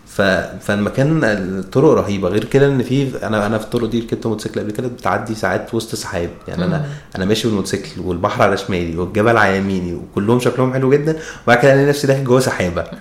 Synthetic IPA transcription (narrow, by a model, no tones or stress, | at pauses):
fæfælmækæːnet̪ˤːoɾoʔɾˤɑɦiːbæɣeːɾked̪æʔenːfiːʔæ̰næʔænæfit̪ːˤoɾoʔd̪iːket̪ːæmot̪seklʔæbliked̪æbet̪ʕad̪ːisaʕaːt̪wosˤt̪sˤɑ̥ħeːb̚ja̰ʕniʔænæʔænæmæːʃibelmot̪seklwelbɑħɾˤʕalæʃmæːliweɡːæbælʕajæmiːniwekolːohomʃæklohomħelweɡed̪ːænebaʕkelʔænːænæfsid̪æːħeɡæwæsæħeːbæ